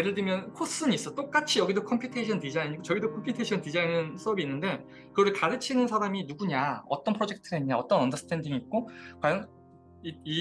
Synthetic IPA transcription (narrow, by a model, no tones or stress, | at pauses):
eɾɯɭdɯmjʌnkʰos͈ɯɲis͈ʌt͈ok͈at͡ɕʰijʌɡidokʰʌmpʰjutʰeɕʰʌntid͡ʑaiɲiɡot͡ɕʌɡidokʰʌmpʰjutʰeɕʰʌntid͡ʑainɯns͈ʰʌbiːnːɯnde̞ | kɯɡʌɾɯɭkaɾɯt͡ɕʰinɯnsʰaɾaminuɡuɲaʌ̰t͈ʌnpʰɯɾod͡ʑe̞k̚tʰɯɾeɲɲaʌt͈ʌnʌndʌs͈ʰɯ̥tʰe̞ndiŋiːt̚k͈okwajʌn | ii